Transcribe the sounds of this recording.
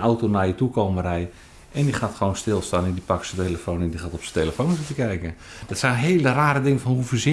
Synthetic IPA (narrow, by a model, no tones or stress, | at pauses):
ʔawtonajətukowmərɛj | ʔɛndixaːtxəʋownstɪlˠstaːnɪndipɑksəteləfoːnɛndixaːtɔpsəteləfownsɪtəkɛjkən | d̥ɔtsɛjnɦeːləraːɾədɪŋənfɔnhufəzɪ